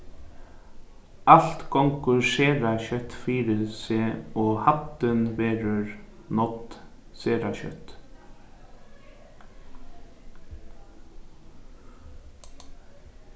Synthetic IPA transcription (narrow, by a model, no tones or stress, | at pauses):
alt̪kʰɔŋkʉʂeːɾaɕœt̪fiːɾɪseːoːhat̪ːənʋeːɾəɹnɔt̪seːɾaɕœ̰t̪